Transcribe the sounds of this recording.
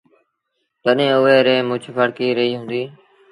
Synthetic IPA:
t̪əɗẽːʊʋeːɾẽːmʊt͡ʃʰpʰəɽkiːɾəiːɦũːnd̪iː

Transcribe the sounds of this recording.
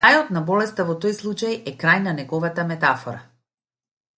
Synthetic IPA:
ajɔt̪nabɔlɛst̪avɔt̪ɔjslˠut͡ʃajɛkɾajnanɛɡɔvat̪amɛt̪afɔɾa̰

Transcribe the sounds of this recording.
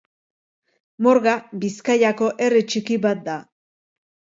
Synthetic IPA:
mo̞ɾɣabiskajako̞ʔe̞rit͡ʃikiβat̪̚d̪a

